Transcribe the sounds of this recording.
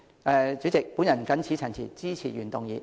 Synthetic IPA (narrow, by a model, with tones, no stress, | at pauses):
ʔɛ˨˧t͡syː˨˥t͡sɪ˨k̚pu˨˥njɐ˨˩nkɐ˨˥nt͡sʰiː˨˥t͡sʰɐ˨˩nt͡sʰḭː˨˩t͡siː˥t͡sʰiː˨˩ɥyː˨˩nt̪ʊ˨ŋjiː˨˩